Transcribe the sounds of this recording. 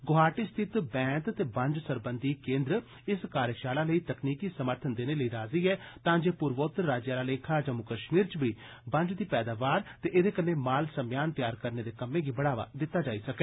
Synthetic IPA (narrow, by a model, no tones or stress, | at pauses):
ɡʊɦaːʈiːst̪ʰɪt̪bɛ̃ːt̪t̪eːbə̃ɲd͡ʒsəɾbənd̪iːkẽːnd̪ɾə | ɪskaːɾjəʃaːlãːləiːt̪əkniːkiːsəməɾt̪ʰənd̪eːneːləiːɾaːziːɛːt̪ãːd͡ʒeːpʊɾʋoːt̪ɾaːd͡ʒjaːlaːleːkʰaːd͡ʒəmukəʃmiːɾt͡ʃʋiː | bə̃ɲd͡ʒd̪iːpɛːd̪aːʋaːɾt̪eːʔɪd̪eːkənːẽːmaːlsəmjaːnt̪jaːɾkəɾneːd̪eːkəmːẽːɡiːbəɽaːʋa̰ːd̪ɪt̪ːaːd͡ʒaːisəkɛː